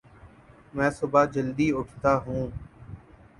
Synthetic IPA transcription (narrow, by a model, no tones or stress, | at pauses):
mɛ̃ːsʊbaːd͡ʒəld̪iːʊʈʰt̪aːɦũː